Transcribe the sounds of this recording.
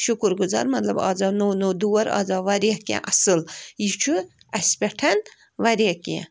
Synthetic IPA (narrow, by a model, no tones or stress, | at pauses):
ʃukɾɡuza̰ːɾmɐt̪lɐbɑ̰ːzanonod̪uwɐɾɑ̰ːzaʋɐɾekḛ̃ʔɐsɨljit͡ʃʰu | ɐsʲpʲeʈʰɐn | ʋɐɾekḛ̃